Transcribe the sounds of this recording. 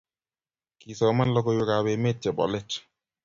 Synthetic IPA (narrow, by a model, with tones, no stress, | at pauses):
ki˨sɔ˨ma˦n˦lɔ˦ko˧jo˧˦ka˨be˨˧me˦˨t̚t͡ʃɛ˨bɔ̰˨le˦t͡ʃ